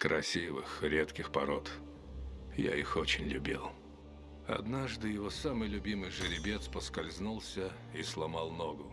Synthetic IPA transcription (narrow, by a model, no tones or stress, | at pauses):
kɾʔɐsʲivɨxɾʲet̪kʲɪxpɐɾot̪ | ja̰ixot͡ɕɪnʲlʲʊbʲilˠ | ɐ̰d̪naʐd̪ɨjɪvosamɨjlʲʊbʲimɨjʐɨɾʲɪbʲe̞t̪spəskɐlʲznulˠsʲə | islˠɐmalˠnoɡʊ